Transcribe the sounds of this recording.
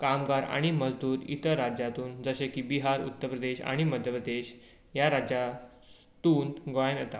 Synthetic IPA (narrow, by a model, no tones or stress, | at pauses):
kamɡaɾa̰ɽ̃iməd͡zd̪uːɾḭt̪əɾːad͡ʑjat̪uːnd͡zəɕekiːbiɦaɾṵt̪ːəpɾəd̪eɕa̰ɽ̃iməd̪ʱjəpɾəd̪eɕ | jaɾad͡ʑja | t̪uːnɡojənət̪a